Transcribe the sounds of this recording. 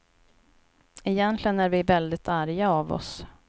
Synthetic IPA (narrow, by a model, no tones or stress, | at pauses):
ɪjɛnt̪lɪɡənæɾvɪvɛld̪ɪt̪ʰaɾjaavɔ̰s